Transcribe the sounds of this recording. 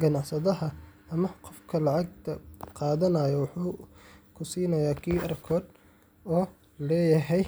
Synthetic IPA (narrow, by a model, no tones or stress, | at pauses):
ɡɐnɑʕsɐðɐɦɐɐmɐqɔfkʰɐlɑʕɑɡ̚t̪ʰɐqɑːðɐnɐːjɔwʊħuːkʰʊsiːnɐjaːkʰiːʔɐrkʰɔːd̪ | ɔː | lɛːjɐɦɛj